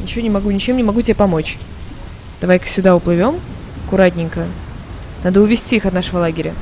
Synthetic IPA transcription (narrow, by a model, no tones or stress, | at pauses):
nʲɪt͡ɕɪvonʲɪmɐɡunʲɪt͡ɕemnʲɪmɐɡutʲɪbʲepɐmo̞t͡ɕ | d̪̥ɐvajkə̥sʲʊd̪aʊplˠɨvʲo̞m | ɐkʊɾat̬ʲnʲɪŋkə | nad̪əʊvʲɪsʲtʲiixɐt̪naʂəvəlˠaɡʲɪɾʲə